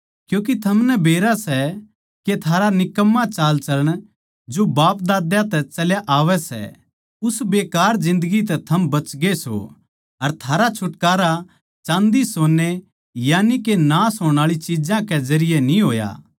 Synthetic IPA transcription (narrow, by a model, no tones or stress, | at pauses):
kjũːk̬it̪ʰɐmnɛbʱeːɾasɛ | ket̪ʰaːɾanɪkəmːãt͡ʃaːlt͡ʃɐləɽ̃ | d͡ʒobaːp̚d̪aːd̪jãt̪ɛt͡ʃɐljaʔaːʋɛsɛ̰ | ʊsbeːkaːɾd͡ʒɪ̃nd̪əɡit̪̬ɛt̪ʰɐmbɐt͡ʃɡeso̰ | ɐɾt̪ʰaːɾat͡ʃʰʊʈkaːɾa | t͡ʃãːnd̪isoːnːe | jaːnikenãsoːɽ̃aːɭit͡ʃid͡ʒãkezɐɾɪjenĩɦoːja̰ː